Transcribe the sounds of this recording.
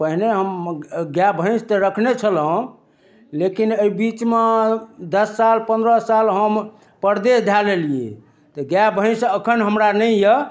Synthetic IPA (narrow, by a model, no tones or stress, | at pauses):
pəɦneɦəmɡjabʱə̃ɪ̃st̪əɾəkʰnet͡ʃʰəlɦõ | lekinəibit͡ʃmed̪əsːalpə̃nd̪ɾəsalɦəm | pəɾd̪esd̪ʱjaleliḛ | t̪ɔɡjabʱə̃ɪ̃səkʰənɦəmɾanəjjə